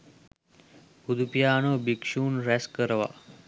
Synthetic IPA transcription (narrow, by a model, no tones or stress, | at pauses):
ud̪upijaːnobikʂuːnɾɛskəɾʋa̰